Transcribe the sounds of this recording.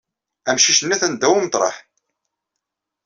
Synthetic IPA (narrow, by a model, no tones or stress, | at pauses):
æmʃiʃənːæθænd̪ːæwumt̪ˤɾˤɑ̰ħ